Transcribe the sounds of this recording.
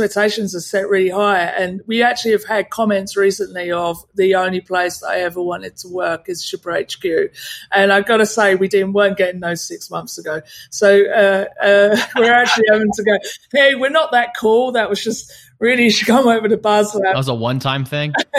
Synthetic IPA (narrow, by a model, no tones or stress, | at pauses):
ɛk̚tʰeɪʃɨ̃nzə̥sɛʔɹɪlˠiɦaɪɨ̃nwiæk̚t͡ʃʉl̩ˠiɨv̥əd̚kʰɒmɛ̃ntsɹiˑsə̃nliəvðiə̃ʊ̃nlipʰl̥eɪsðəɾa̰ɪɛvə˞wɑ̃ñtɨd̚tʰəwɜˑ˞kɨz̥ʃɪpə˞eɪt͡ʃkʰjʉʔɨ̃naɪɡɑɾəseɪwidɪdⁿn̩wɜ̃˞nɡ̥ɛɾɪ̃ŋðoʊz̥sɪksmʌ̃nθsəɡoʊsoʊʌʌwɪɹæk̚t͡ʃʉl̩ˠiəʊvɪ̃ŋtʰəɡoʊheɪwɪɹnəʔ̪̚ðət̚kʰɔlˠðəʔ̚wʌzd͡ʒʌst | ɹɪlˠikʰʌ̃məʊvəɾəbʌzəwzəwʌ̃ntʰãɪ̃mθɪ̃ŋ